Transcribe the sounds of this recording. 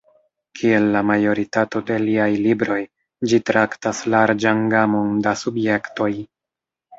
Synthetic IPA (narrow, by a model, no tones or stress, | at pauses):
kʰie̞lːamajo̞ɾitato̞de̞liajlibɾo̞j | d͡ʒitɾaktaslaɾd͡ʒaŋɡamondasubje̞kto̞j